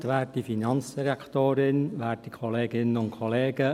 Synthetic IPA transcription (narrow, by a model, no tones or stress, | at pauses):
tʋæːtifinɑnt͡sd̥iɾɛkχt̪oːɾɪnʋæːtdikʰɔleːɡɪnəʊntkʰχɔleːɡ̥ə